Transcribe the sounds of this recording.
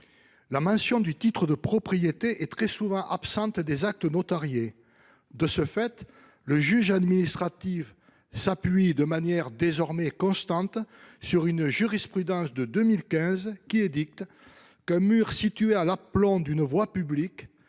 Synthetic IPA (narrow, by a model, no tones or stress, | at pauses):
lamɑ̃sjɔ̃d̪yt̪it̪χəd̪əpχɔpχijet̪eʔɛt̪χɛsuvɑ̃ʔapsɑ̃t̪d̪ezak̚t̪ənot̪aʁje | d̪əsəfɛt̪ | ləʒyʒad̪minist̪χat̪if | sapɥid̪əmanjɛʁd̪ezɔʁmɛkɔ̃st̪ɑ̃t̪syʁynʒyʁispχyd̪ɑ̃sd̪əd̪əmilkʲɛ̃zkʲiɛd̪ik̚t̪ | kɛ̃myʁsit̪yɥealaplɔ̃d̪ynəvwapyblik